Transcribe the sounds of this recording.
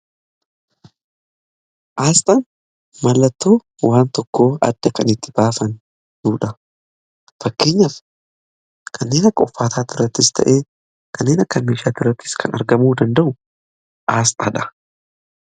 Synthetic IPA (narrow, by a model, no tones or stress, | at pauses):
ʔaːst̪ʼɐn | mɐlːɐt̪ːo̞ː | waːnt̪ɔkːo̞ːɐ̰d̪̥ːɐkɐnɪt̪ːɪ̥b̥aːfɐn | d̪uːᶑɐ | fɐkːe̞ːɲːɐf | kʰɐnːe̞ːnɐkːɔfːaːt̪ʰaːt̪ʊɾɐt̪ːɪst̪ʰɐ̰ʔeː | kʰɐnːe̞ːnɐkːɐmeːʃaːt̪ʊɾɐt̪ːɪ̥skʰɐnɐ̰ɾɡɐmuːd̪ɐnd̪ɐʔʊ | ʔaːst̪ʼaːᶑɐ̥